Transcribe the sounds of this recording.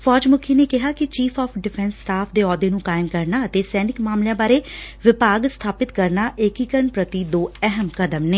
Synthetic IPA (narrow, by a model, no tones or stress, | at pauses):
fʰɔːd͡ʒmʊkʰiːneːkɪɦaːkɪt͡ʃiːpʰɔːpʰɖɪpʰɛːnsːʈaːpʰd̪eːɔːd̪eːnũːkaːɪmkəɾnaːət̪eːsɛːnɪkmaːmlɪjãːbaːɾeːʋɪpaːɡst̪ʰaːpɪt̪kəɾnaːʔekiːkəɾənpɾət̪id̪oːɛɦəmkəd̪əmneː